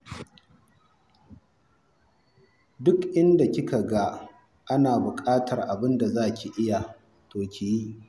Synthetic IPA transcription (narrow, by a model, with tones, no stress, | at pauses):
dʊ˦kʔɪ˦nda˨kʲɪ˦ka˨ɡa˦ | ʔa˦naː˨bʊ˨kʼaː˦tʰɐ˨rʔa˨bɪ˦nda˨zaː˦˨kʲi˨ʔɪ˦ja˨ | toː˨kʲɪ˨jiː˦